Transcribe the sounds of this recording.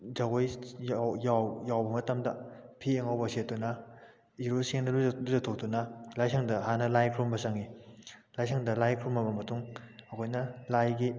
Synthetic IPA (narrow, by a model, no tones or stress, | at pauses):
zaɡoj | jawjawbɐmɐtɐmdɐpʰieŋawbɐset̚dunɐ | iɾoseŋdɐluluzɐtʰok̚tunɐlajsʰaŋdɐɦanɐlajkʰɾumbɐsaŋilajsʰaŋdɐlajkʰɾumɐbɐmɐtuŋɐkʰojnɐlajɡi